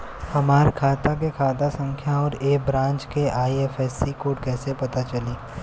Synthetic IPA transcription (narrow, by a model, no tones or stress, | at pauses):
hɐmaːɾkʰaːt̪ak̬ekʰaːt̪asə̃ŋkʰjaɔːɾeːbɾãːnt͡ʃkeʔaːiefɛːsikoːʈkɛːsepɐt̪at͡ʃɐliː